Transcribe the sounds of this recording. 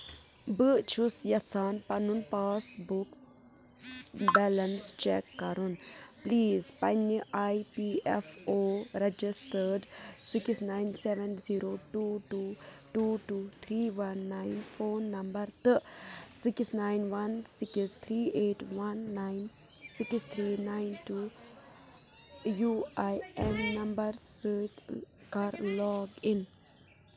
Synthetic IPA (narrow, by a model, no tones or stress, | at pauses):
bɨt͡ʃʰusjɐt͡sʰaːnpɐnunpaːsbuk | bɛːlɐnst͡ʃɛkːɐɾunpliːzpɐniʔajpiefoːɾed͡ʒisʈəɾɖsiksnajnseʋɛnziːɾoːʈuʈuː | ʈuːʈuːt̪ʰɾiːʋɐnːãɪnfoːnːɐ̃mbəɾt̪ɨsɪksnaɪnʋɐnsɪkst̪ʰɾiːeːʈʋɐnːaɪn | sɪkst̪ʰɾiːnaɪ̃nʈuː | juajemnɐ̃mbəɾsikkaːɾlɔːɡĩn